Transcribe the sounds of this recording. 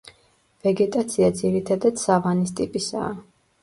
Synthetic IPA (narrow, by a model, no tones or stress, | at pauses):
vɛɡɛt̪ʼat̪sʰiad̪ziɾit̪ʰad̪ad̪̥saʁanist̪ʼipʼisa̰ː